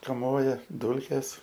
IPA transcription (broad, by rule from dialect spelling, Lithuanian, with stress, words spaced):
kɐˈmoːjɛ ˈduːlʲkʲeːs